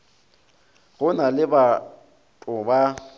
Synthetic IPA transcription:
ɣʊnalɪba | tʼʊba

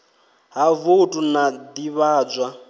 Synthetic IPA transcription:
ɦavotʼunad̪iβaːd͡zʷwa

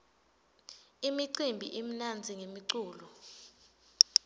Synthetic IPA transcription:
imiǀimbʱḭʔem̩nand͡zʱiŋemiǀuːlɔ

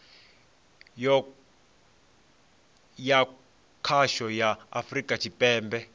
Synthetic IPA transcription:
ɔ | ja | kʰaʃɔja̰ːfrikʼat͡ʃʰipʼɛːmbɛ

